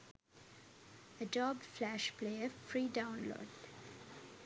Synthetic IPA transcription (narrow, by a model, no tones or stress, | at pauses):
əɖɔːbflæʃpleːəfɾiːɖãʊ̃nlo̰ːɖ